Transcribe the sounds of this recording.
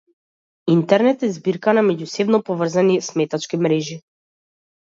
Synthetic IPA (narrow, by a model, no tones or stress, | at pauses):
int̪ɛɾnɛt̪ɛzbiɾkanamɛɟusɛbnɔpɔvr̩zanismɛt̪at͡ʃkimɾɛʒi